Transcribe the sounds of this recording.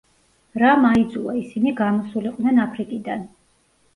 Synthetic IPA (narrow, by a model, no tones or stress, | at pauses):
ɾamaid̪zuaisiniɡamɔsuliqʼnɛnapʰɾikʼid̪an